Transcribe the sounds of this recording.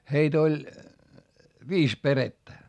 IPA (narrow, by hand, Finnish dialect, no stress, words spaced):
heit olʲ ʋiːs peretːæ